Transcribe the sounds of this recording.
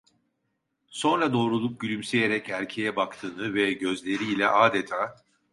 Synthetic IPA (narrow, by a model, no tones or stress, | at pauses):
so̞nɾad̪o̞ːɾulˠup̚ɟylʲymse̞jeɾɛcæɾʲcʰe̞jɛbakt̪ʰɯːnɯvɛɟø̞zlʲe̞ɾiːlʲɛ̰ʔaːd̪et̪ʰaː